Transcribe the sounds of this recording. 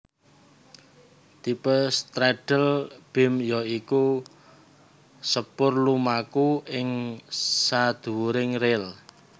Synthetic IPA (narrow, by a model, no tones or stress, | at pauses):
t̪ipəst̪ɾɛɖ̥əlb̥ɪ̤mjɔiku | səpʊrlumakuɪŋsad̪̥ṳwuɾɪŋɾɪl